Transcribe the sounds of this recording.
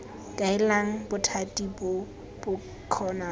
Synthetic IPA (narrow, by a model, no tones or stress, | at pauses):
kʼaɪlaŋ̩bʊtʰatʼibʊ | b̥ʊ | kʰɔːna